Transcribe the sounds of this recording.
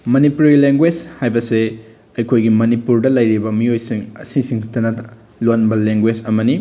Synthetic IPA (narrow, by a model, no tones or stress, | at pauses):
mɐnipuɾileŋɡwed͡ʒhajbɐse | ɐjkʰojɡimɐnipuɾdɐlɐjɾibɐmiojsiŋɐ̰sisiŋtʰɐnɐ | lonbɐleŋɡwed͡ʒɐmɐni